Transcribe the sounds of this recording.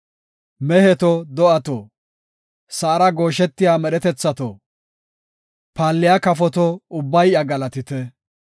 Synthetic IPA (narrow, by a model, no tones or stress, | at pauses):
mɛhɛt̪ɔd̪ɔʔɐt̪ɔ | sɐːɾɐɡo̞ːʃɛt̪ːɪjaːmɛɗɛt̪ɛt͡sːɐt̪o̰ | paːlːɪjakɐfɔt̪ɔʊbːɐjɐɡɐlɐt̪ɪt̪ɛ